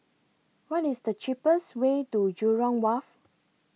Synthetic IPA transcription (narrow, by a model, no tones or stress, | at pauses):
wɔtisdət͡ʃipəswetud͡ʒuɹɔ̃ŋwaf